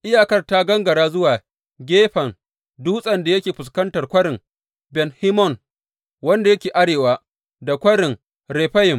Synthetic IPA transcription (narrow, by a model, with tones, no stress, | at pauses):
ʔɪ˦jaː˨kɐ˦rta˦ɡɐ˦ŋɡɐ˨ɽaː˦zʊ˦waː˨ | ɡʲeː˦ɸɐ˨ŋ | duː˦sʼɐ˨nda˨jɐ˦kʲeː˨ɸʊ˨s̬kɐ˦ntɐ˨rkʷɐ˦ɽɪ˨ŋ | bɛ˨nhi˦mɔ˦˨ŋ | wɐ˦nda˨jɐ˦kʲeː˨ʔa˦ɽeː˨waː˦ | da˨kʷɐ˦ɽɪ˨ŋ | ɾɛː˨ɸa˦jɪ˨m